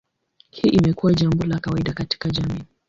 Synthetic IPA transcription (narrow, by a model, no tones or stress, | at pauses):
hiːʔimɛkuwaʄambɔlakawaiɗakati̥kaʄamiː